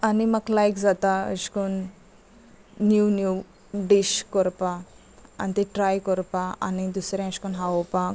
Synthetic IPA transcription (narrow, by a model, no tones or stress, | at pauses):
animəklajkd͡zat̪aə̰ɕkun | njunju | ɖiɕkɔɾpa | a̰nit̪eʈɾajkɔɾpaa̰nid̪usɾɛ̃əɕkunɦaopa